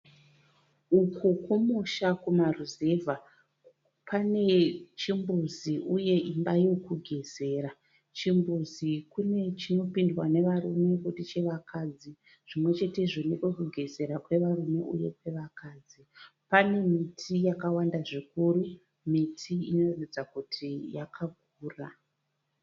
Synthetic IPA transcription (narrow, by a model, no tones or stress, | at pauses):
ukʰukumuʃakumaruze̞vʱa | pane̞t͡ʃimbuziʔuje̞ʔimbajokuɡʱe̞ze̞ːɾa | t͡ʃimbuzikune̞t͡ʃino̞pindwane̞ʋaɾume̞kutit͡ʃe̞ʋakʰaːd͡zi | ʐ̥imwe̞t͡ʃe̞te̞ʐinekekuɡʱe̞ze̞ɾakwe̞ʋarumeʔṵje̞̰kwe̞ʋakaːd͡zipane̞mitʰijakawandaʐikuɾu | mitʰiino̞ratud͡zakutʰijakʰaɡʱ | uːra